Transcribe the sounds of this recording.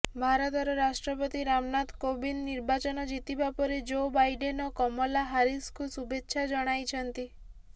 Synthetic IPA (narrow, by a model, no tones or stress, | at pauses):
bʱaɾɔt̪ɔɾɔɾasʈɾɔpɔt̪iɾamnat̪kobinːiɾbat͡ʃɔnɔd͡ʒit̪ibapɔɾed͡ʒobajɖenɔkɔmɔlaɦaɾiskusubetːʃʰad͡ʒɔɽ̃ajt͡ʃʰɔnt̪i